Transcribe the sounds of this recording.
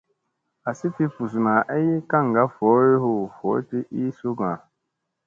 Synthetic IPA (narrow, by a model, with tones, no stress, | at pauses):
a˨si˦ti˦fu˨s̬u˨na˨ʔɛ˦ji˦ka˦˨ŋ˨ɡa˦fɔ˨˦e˦ɦo˨fɔ˨˦ti˦ʔi˦su˦ɡã˨